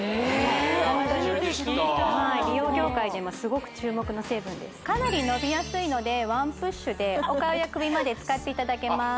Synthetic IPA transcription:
õt̪oɲi | maɾʲijo̞ːɡʲo̞ːkaid̪emosɨɡo̞kɯ̟̥t͡ɕɨːmo̞kɯno̞se̞ːbɯ̟̃nd̪esɨ̥kanaɾʲino̞bʲijasɨino̞d̪e̞βãmpɯ̟ɕːɨd̪e̞o̞kaojakɯ̟bʲimad̪e̞t͡sɨ̥kat̪ːe̞it̪ad̪ake̞ma

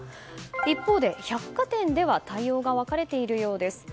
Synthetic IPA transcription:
ipːo̞ːd̪e̞çakːat̪ẽ̞nd̪e̞β̞at̪aio̞ːɡaβakaɾe̞t̪e̞iɾɯ̟jo̞ːd̪e̞sɨ̥

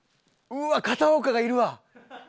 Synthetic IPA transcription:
ɯakat̪aoːkaɡaiɾɯ̟βa

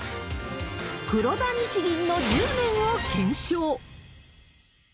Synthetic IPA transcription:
kɯ̟ɾo̞d̪aɲ̟it͡ɕiɡʲĩnːo̞ɾʲɯːmʲẽɰ̃okẽ̞ɰ̃ɕoː

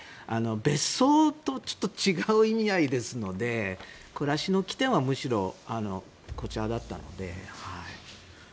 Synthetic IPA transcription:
ano̞be̞so̞ːt̪o̞t͡ɕo̥t̪ːot͡ɕiɡaɯ̟imʲiaid̪e̞sɨno̞d̪e̞ | koɾaɕino̞kʲi̥t̪ẽ̞ɰ̃βamɯ̟ɕiɾo̞̰ano̞̰ | ko̞t͡ɕad̪at̪ːa̰no̞̰d̪e̞̰haḭ

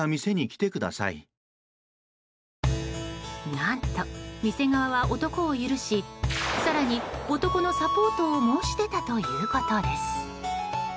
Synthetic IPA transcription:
amʲise̞ɲ̟ikʲi̥t̪e̞kɯ̟d̪a̰sa̰ḭ | nãnt̪omʲise̞ɡaβaβaʔo̞t̪o̞ko̞ːjɯɾɯ̟ɕisaɾaɲ̟io̞t̪o̞ko̞no̞sapo̞ːt̪o̞ːmo̞ːɕi̥t̪e̞t̪at̪o̞jɯːkat̪ad̪e̞sɨ̥

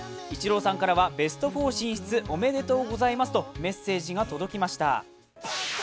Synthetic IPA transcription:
it͡ɕiɾo̞ːsãŋkaɾaβabe̞sɨ̥t̪o̞ɸo̞ːɕĩɰ̃ɕi̥t͡sɨʔo̞me̞d̪e̞t̪o̞ːɡo̞zaimasɨ̥t̪o̞me̞sːe̞ːʑiɡat̪o̞d̪o̞kʲimaɕi̥t̪a̰

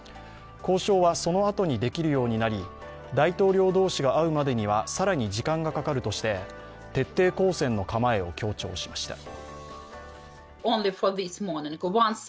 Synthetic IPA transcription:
ko̞ːɕo̞ːβaso̞no̞at̪o̞ɲ̟id̪e̞kʲiɾɯ̟jo̞ːɲ̟inaɾʲi | d̪ait̪o̞ːɾʲjo̞ːd̪o̞ːɕiɡaaɯ̟mad̪e̞ɲ̟iβasaɾaɲ̟id͡ʑikãŋɡakakaɾɯ̟t̪o̞ɕi̥t̪e̞ | t̪e̞t̪ːe̞ːko̞ːsẽ̞nːo̞kamae̞o̞̰kʲo̞ːt͡ɕo̞ːɕi̥maɕi̥t̪ḁ̰ | õʊ̃nlifɔðɪsmɔnɪ̃ŋɡwãns

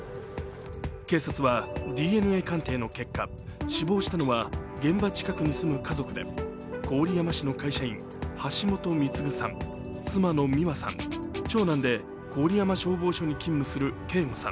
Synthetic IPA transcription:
ke̞ːsat͡sɨβad̪ʲiːe̞nɯ̟e̞ːkãnt̪e̞ːno̞ke̞kːa | ɕibo̞ːɕi̥t̪ano̞βaɡẽ̞mbat͡ɕi̥kakɯ̟ɲ̟isɨmɯ̟kazo̞kɯ̟d̪e̞̰ | kʰo̞ːɾʲijamaɕino̞kaiɕaĩŋ | haɕimo̞t̪o̞mʲit͡sɨɡɯ̟sã̰ŋ | t͡sɨmano̞mʲiβasã̰ŋt͡ɕo̞ːnãnd̪e̞ | ko̞ːɾʲijamaɕo̞ːbo̞ːɕo̞ɲ̟ikʲĩmːɯ̟sɨɾɯ̟ke̞ːŋosã̰

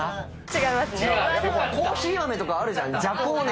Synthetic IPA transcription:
t͡ɕiɡaimasɨnekoːçiːβame̞t̪o̞kaːɾɯ̟ʑãnːed͡ʑakːoːn

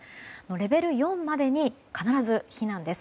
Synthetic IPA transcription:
no̞ɾe̞be̞ɾɯ̟jõ̞mːad̪e̞ɲ̟ikanaɾazɨçinãnd̪e̞sɨ̥

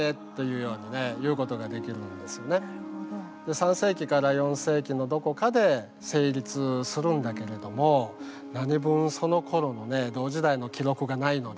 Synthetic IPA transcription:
et̪ːo̞jɯ̟ːjo̞ːɲ̟ine̞jɯ̟ːko̞t̪o̞ɡad̪e̞kʲiɾɯ̟̃nd̪e̞sɨ̥jo̞ne̞ | d̪̥e̞sãɰ̃se̞ːkʲikaɾajõ̞ɰ̃se̞ːkʲino̞d̪o̞ko̞kad̪e̞ | se̞ːɾʲit͡sɨsɨɾɯ̟̃nd̪ake̞ɾe̞d̪o̞mo̞ | naɲ̟ibɯ̟̃ɰ̃so̞no̞kʰo̞ɾo̞no̞ne̞d̪o̞ːʑid̪aino̞kʲiɾo̞kɯ̟ɡanaino̞d̪

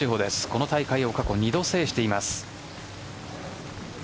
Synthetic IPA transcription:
iɦo̞ːd̪e̞sɨ̥ko̞not̪aikaio̞kako̞ɲ̟id̪o̞se̞ːɕi̥t̪e̞imasɨ̥

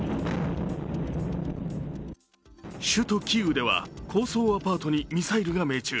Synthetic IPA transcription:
ɕɨt̪o̞kʲiɯ̟d̪e̞βa̰kʰo̞ːso̞ːapaːt̪o̞ɲ̟imʲisaiɾɯ̟ɡame̞ːt͡ɕɨː

